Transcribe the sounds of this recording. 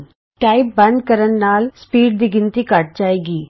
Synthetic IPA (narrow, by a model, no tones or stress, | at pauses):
ʈaːɪp̚bɐ̃nd̪kəɾənːaːlspiːɖ̚d̪iɡɪnt̪ikaːʈ̚d͡ʒaːeːɡiː